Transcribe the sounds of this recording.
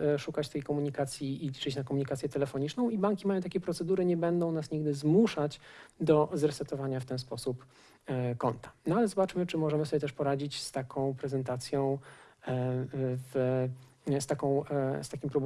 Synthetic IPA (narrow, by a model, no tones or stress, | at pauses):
ʂukat͡ɕt̪ɛjkɔmuɲikat̪sʲjiːlʲit͡ʂɘt͡ɕnakɔmuɲikat̪sjɛt̪ɛlɛfɔɲit͡ʂnɔ̃w̃ibaŋkʲimajɔ̃w̃t̪akʲejpɾɔt̪sɛd̪uɾɘɲɛbɛnd̪ɔ̃w̃nasɲiɡ̚d̪ɘzmuʂat͡ɕd̪ɔzɾɛsɛt̪ɔvaɲaft̪ɛnspɔsup | kɔnt̪ḁnalɛzɔbat͡ʂmɘt͡ʂɘmɔʐɛmɘsɔbʲjɛt̪ɛʂpɔɾad͡ʑit͡ɕst̪akʰɔ̃w̃pɾɛzɛnt̪at̪sʲjɔ̃w̃ | v | st̪akɔ̃w̃st̪akʲimpɾub